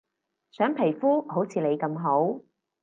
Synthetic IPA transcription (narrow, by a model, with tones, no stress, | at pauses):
sœː˨˥ŋpʰe˨˩jfuː˥ho˨˥wt͡sʰiː˨˧le˨˧jkɐ˧mɦo˨˥w